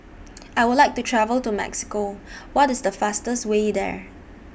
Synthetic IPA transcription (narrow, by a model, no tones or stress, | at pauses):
ajwɪdlaɪk̚tutʰɹɛvəltumɛ̰ksɪ̥kowɔtɪsdəfastəswedɛ̰ɹ